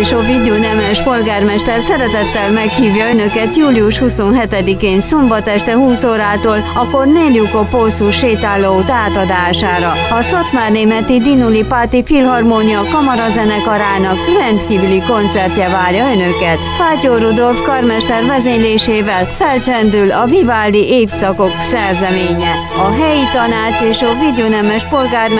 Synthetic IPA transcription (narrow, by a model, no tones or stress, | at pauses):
ʃovid̪unɛmɛʃpo̞lɡaːrmɛʃt̪ɛrsɛɾɛt̪ɛt̪ːɛlmɛkhiːvjɒø̞nø̞kɛt̪juːliuʃhuso̞nɦɛt̪ɛd̪ikeːnsombɒt̪ɛʃt̪ɛhuːsoːɾaːt̪oːlɒkːo̞rmeːljukoposuʃːeːt̪aːlːouːt̪aːt̪ɒd̪aːʃaːɾɒhɒsot̪maːrneːmɛt̪id̪inulipaːt̪ifilɦɒrmonijɒkɒmɒɾɒzɛnɛkɒɾaːnɒkrɛnt̪kiːvyliko̞nt̪sɛrt̪jɛvaːrjɒø̞nø̞kɛt̪faːcoɾud̪o̞lfkɒrmɛʃt̪ɛrvɛzeɲleːʃeːvɛlfɛlt͡ʃɛnd̪ylɒvivaːldiʔeːfsɒko̞ksɛrzɛmeːɲɛ | ɒɦɛjit̪ɒnaːt͡ʃeːʃɒvid̪onɛmɛʃpo̞lɡaːr